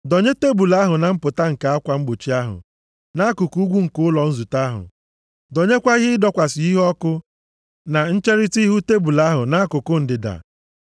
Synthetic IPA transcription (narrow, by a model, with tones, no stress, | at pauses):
do˨ɲe˦te˦bu˨la˦ɦʊ˨na˨m̩˦pʊ˨ta˦ŋ̩˨ka˨a˦kʷa˨ŋ͡m̩˦ɡ͡bo˨t͡ʃi˦a˦ɦʊ̰˨ | na˦kʊ˨ku˦ɡʷu˦ŋ̩˨kʊ˦ʊ˦lɔ˨n̩˦zu˨ta˦ɦʊ̰˨ | do˨ɲe˦kʷa˦i˦ɦɪ˦ɪ˦dɔ˦kʷa˨sɪ˨i˦ɦɔ˦kʊ˦ | na˨n̩˦t͡ʃe˦ɾi˦ti˦ɦu˦te˦bu˨la˦ɦʊ˨na˦a˦kʊ˨kʊ˦n̩˨dɪ˨da̰˨